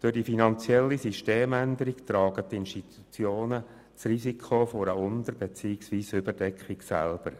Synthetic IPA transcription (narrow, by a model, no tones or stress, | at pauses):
d̥øɾd̥ifinɑnt͡sjɛlːisiʃteːmænd̪əɾikt̪ɾɑːɡ̥ət̪ːɪnʃtit̪u̥t͡sjoːnə | t͡srisikʰχofɔɾəʊnd̪əɾbet͡siːɪksʋiːsʏbəɾdɛkχiksæ̰lb̥əɾ